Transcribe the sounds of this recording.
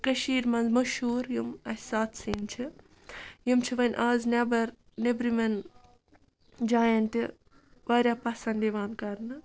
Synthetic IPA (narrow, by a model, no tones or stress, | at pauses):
kɐʃiːɾmɐnzmɐʃuːɾjumɐsaːt̪ʰsiːnt͡ʃʰi | jimt͡ʃʰiʋɐnʲʔaːznʲebɐɾ | nebɾimɐn | d͡ʒaːjɐnt̪i | ʋaːɾʲjapɐsɐnd̪iʋaːnkɐɾnɨ